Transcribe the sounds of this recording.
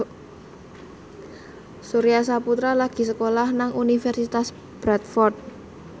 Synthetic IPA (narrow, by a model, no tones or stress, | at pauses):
suɾijasaput̪ɾalaɡ̥i̤səkolahnaŋunifɛrsit̪as | b̥ɾat̪fɔrt̪̚